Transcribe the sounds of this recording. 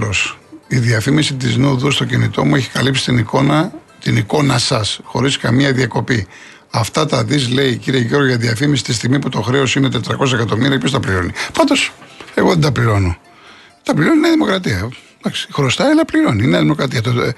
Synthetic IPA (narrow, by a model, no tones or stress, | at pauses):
losiðiɐfimisit̪̬iznuðust̪o̞cinit̪o̞mueçi̥kɐlipsi̥t̪inikonɐ | t̪iniko̞nɐsɐsxo̞ɾiskɐmiɐðiɐko̞pi | ɐft̪ɐt̪ɐðizle̞iciɾieʝo̞ɾɣoʝɐðiɐfimisi̥t̪ist̪iɣmiput̪o̞xɾe̞osinet̪e̞t̪ɾɐko̞s̬ɐekɐt̪o̞miɾiɐpçost̪ɐpliɾo̞nipɐnd̪o̞se̞ɣo̞ðend̪ɐpliɾo̞no | t̪ɐpliɾo̞nineðimo̞kɾɐt̪iɐ | d̪ɐksi̥xɾo̞st̪ɐelɐpliɾo̞nineɐðimo̞kɾɐt̪iɐt̪o